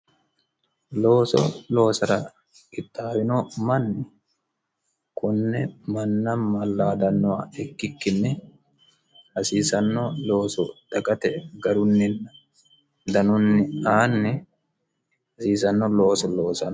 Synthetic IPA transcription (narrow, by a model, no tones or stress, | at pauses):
loːsɔ̰lo̞ːsɐɾɐ | kɪt̪ːaːwɪnoːmɐnːɛ | kʊnːɛmɐnːɐmɐlːaːd̪ɐnːɔwaɛkːɪkːɪnːɛ | hɐsiːsɐnːɔlo̞ːsɔt̪ɐkʼɐt̪ɛɡɐɾʊnːɪn | d̪ɐnʊnːɪaːnːɛ | ɐsiːsɐnːɔlo̞ːsɔlo̞ːsɐn